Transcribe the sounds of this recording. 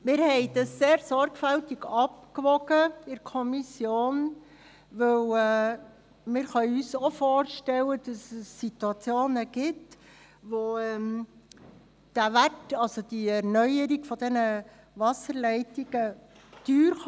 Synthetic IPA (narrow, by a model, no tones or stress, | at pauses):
mɪːɾhɛɪd̥ɑsːeːɾsɔɾɡfæltiɡɑpkʋɔɡəɪɾkʰɔmisjoːn | ʋɵwɛ | mɪːɾχœʏysofoːɾʃtɛlːəd̥ɑsɛsːituɑt͡sjoːnəɡ̥ɪt | ʋoɛm | d̥æʋætɑlsod̥iɛɾnœjəɾiɡ̥fɔd̪ɛnə | ʋɑsəɾlɛɪtiɡ̥ə | tyːɾ